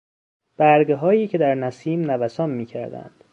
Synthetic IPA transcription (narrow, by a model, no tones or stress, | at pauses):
b̥æɾɡeɦɒːjiːcʰe̞d̪æɾnæsiːmnævæsɒːmmːiːcʰæ̰ɾd̪æ̰nd̪̥